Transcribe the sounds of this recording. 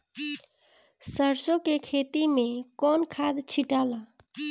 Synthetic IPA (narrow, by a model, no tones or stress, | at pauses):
səɾsõkekʰeːt̪imẽkɔːnkʰaːd̪t͡ʃʰiʈaːlaː